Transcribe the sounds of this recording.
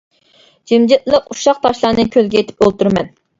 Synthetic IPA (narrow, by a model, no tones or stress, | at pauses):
d͡ʒimd͡ʒit̪lˠəquʃɑq̚t̪ʰɑʃlˠɑːnɨkʲʰølɡʲɛet̪ʰɪ̥pølt̪yɾmɛ̰n